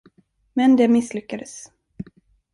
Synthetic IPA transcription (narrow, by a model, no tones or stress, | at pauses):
mɛnd̪ɛmɪslʏkːad̪əs